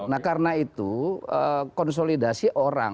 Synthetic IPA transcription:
nakarnait̪uəkɔns̬olidasiʔoɾa̰ŋ

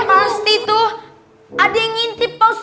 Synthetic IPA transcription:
ast̪it̪ʊh | adeŋint̪ipɔs

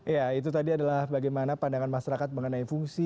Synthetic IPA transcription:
jait̪̬ut̪adiadalahbaɡajmanapandaŋanmaʃaɾakat̪̚məŋənaifuŋsi

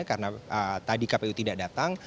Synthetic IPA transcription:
akaɾənaət̪adikapeut̪idaʔdat̪aŋ

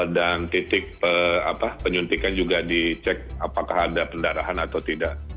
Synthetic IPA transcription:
dant̪it̪ɪk̚pəa̰papəɲunt̪ikand͡ʒuɡadit͡ʃɛk̚apakahadapəndaɾaɦanat̪awt̪idaʔ

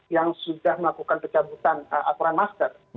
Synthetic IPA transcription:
jaŋsudahməlakukanpət͡ʃabut̪anəʔat̪oɾanmast̪ər

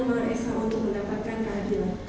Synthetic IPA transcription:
maʔɛsaʔunt̪ʊk̚mə̃ndapat̪̚kankaadila

